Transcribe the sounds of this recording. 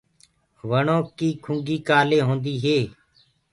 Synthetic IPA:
ʋəɳõːkiːkʰʊŋɡiːkaːleːɦõːnd̪iːɦeː

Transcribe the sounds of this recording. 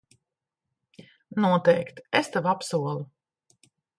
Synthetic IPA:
nuɔt̪ɛjkt̪est̪avapsuɔlˠu

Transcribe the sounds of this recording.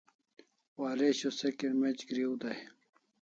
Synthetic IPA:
waːɾeɕosekenmet͡ɕɡɾiud̪aj

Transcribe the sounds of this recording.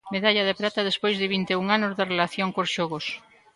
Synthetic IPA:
meðaʎað̞ɪpɾat̪ɐðespojzðɪβint̪euŋanʊzðarelaθjoŋkosʃɔɣos

